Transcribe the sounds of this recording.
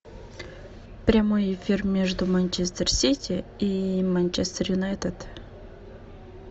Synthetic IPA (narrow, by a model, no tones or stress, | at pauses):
pɾʲamojɪfʲirmʲeʐd̪ʊmanʲt͡ɕest̪ərsʲitʲɪimanʲt͡ɕɛst̪ərjʊnaɛt̪ət̪